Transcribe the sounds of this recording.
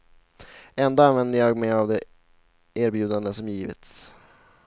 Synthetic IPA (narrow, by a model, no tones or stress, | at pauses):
ɛnd̪oːanvɛnd̪əjɑːɡmɛjavd̪ɛ | ʔeːɾbjʉ̟ːd̪and̪əsɔmjiːvɪ̰t̪s